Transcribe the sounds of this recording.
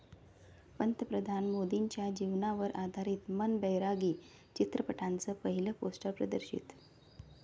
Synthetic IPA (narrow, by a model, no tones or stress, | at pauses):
pənt̪əpɾəd̪ʱanmod̪iɲt͡ɕjad͡ʑiʋnaʋəɾʔad̪ʱaɾiːt̪mənbəjɾaɡiː | t͡ɕit̪ɾəpəʈʰant͡səpəɦiləposʈəɾpɾəd̪əɾɕḭt̪